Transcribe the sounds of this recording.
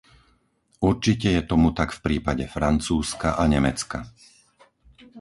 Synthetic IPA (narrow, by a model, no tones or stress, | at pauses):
uɾt͡ʃicɛjɛt̪ɔmut̪akfpɾiːpaɟɛfɾant͡suːskaʔaɲɛmɛt͡ska̰